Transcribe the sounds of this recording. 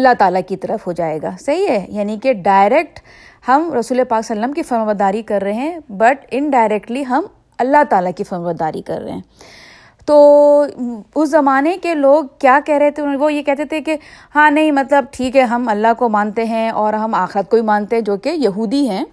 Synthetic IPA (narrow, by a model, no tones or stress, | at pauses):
ɐlːaɦt̪aːlakit̪ɐɾəfɦod͡ʒaːeːɡa̰ːsɐɦiɦɛjaːnikeɖaːɪɾɛːk̚ʈ | hɐmɾɐsuːlepaːksɐlːəmkifɐɾmʋəd̪aːɾikɐɾːɐɦeɦɛ̃bɐʈɪ̃ɳɖaːɪɾɛːkʈliɦɐm | ɐlːat̪aːlakifɐɾmʋəd̪aːɾḭkɐ̰ɾːɐ̰eɦɛ̃ː | t̪oː | ʊszɐmaːnekeloːɡ̚kjaːkɛɦɾɐɦet̪ʰeʋojekɛɦt̪et̪ʰeke | hãːnɐɦĩmɐt̪ləb̚ʈʰiːkɦɛɦɐmɐlːaɦkomãːnt̪eɦɛ̃ɔːɾɦɐmaːxɪɾət̪̚kobimaːnt̪eɦɛ̃d͡ʒoːkejɐɦuːd̪iɦɛ̃ː